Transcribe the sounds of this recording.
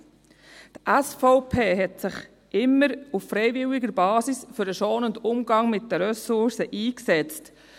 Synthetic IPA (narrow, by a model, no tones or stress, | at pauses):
tʔæsfɔʊpʰeːɦɛtsɪχ | ʔɪmːəɾuffɾɛɪvɪwɪɡəɾbɑːsisfʏɾəʃoːnʊndʊmɡɑŋmɪt̚d̥əɾœsʊɾsəʔiːksɛt͡st